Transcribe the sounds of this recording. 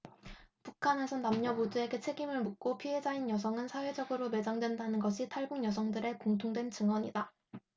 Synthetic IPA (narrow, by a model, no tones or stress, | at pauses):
pukʰane̞sʰʌnamɲʌbodue̞ɡe̞t͡ɕʰe̞ɡimɯɭmuk̚k͈opʰiɦe̞d͡ʑainjʌsʰʌŋɯnsʰawe̞d͡ʑʌɡɯɾome̞d͡ʑaŋdwe̞ndanɯnɡʌɕʰitʰaɭbuŋjʌs̬ʰʌŋdɯɾe̞koŋtʰoŋdwe̞nt͡ɕɯŋwʌɲida